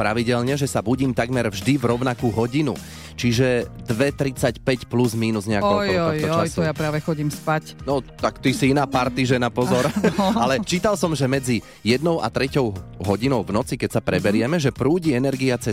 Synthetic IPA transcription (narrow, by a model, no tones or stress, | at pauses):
pɾaʋiɟɛlɲɛʒɛsabuɟiːmt̪aɡmɛɾvʒd̪ivɾɔʊnakuːɦɔɟinṵ | t͡ʃiʒɛd̪ʋɛt̪ɾit͡sacpɛcpluzmiːnuzɲɛakɛtj̪ɔɔɔt̪ɔt͡ʃɔasɔjapɾaːʋɛxɔɟiːmspacnɔt̪akt̪isiinaːpaɾt̪iʒɛnapɔzɔɾalɛt͡ʃiːt̪alsɔmʒɛmɛd͡zi | jɛd̪nɔʊʔa̰t̪ɾɛcɔʊɦɔɟinɔʊvnɔt͡sikɛcsapɾɛbɛɾɪɛmɛʒɛpɾuːɟiɛnɛɾɡiat͡sɛ